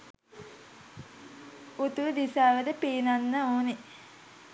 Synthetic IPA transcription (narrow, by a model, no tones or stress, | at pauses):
ut̪ud̪isaːʋəd̪əpiːnanːəoːne